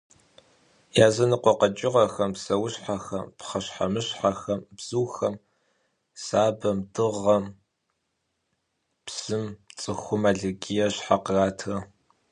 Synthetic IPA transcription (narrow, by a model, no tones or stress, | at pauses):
jaːzɐnɨqʷɔqɐt͡ʃʼɪʁɐxɐmsɐwɕħaxɐ̰mpχɐɕħamɨɕħaxɐmbz̥uːxɐm | saːbɐmdɨʁɐm | psɨmt͡sʼɨxʷʊmaːɮɨɡʲijɐɕħaqəraːtʰrɐ